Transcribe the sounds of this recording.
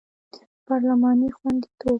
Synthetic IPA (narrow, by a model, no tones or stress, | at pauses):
pɑɾlamɑnixwand̪it̪ob̚